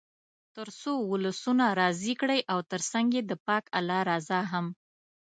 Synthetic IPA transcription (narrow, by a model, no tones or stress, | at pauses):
t̪əɾsowʊləsunaɾɑzikɽəjʔawt̪əɾsaŋɡed̪əpɑkalɑɾɑzaɦam